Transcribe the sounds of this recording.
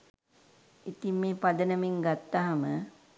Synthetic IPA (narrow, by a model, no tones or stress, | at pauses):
it̪immeːpad̪ənəmiŋɡat̪ːaɦamə